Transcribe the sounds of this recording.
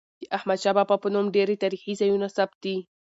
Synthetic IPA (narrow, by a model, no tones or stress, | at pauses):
d̪əʔahmad̪ʃabapapənumɖeɾet̪aɾixizajunasap̚t̪̚d̪i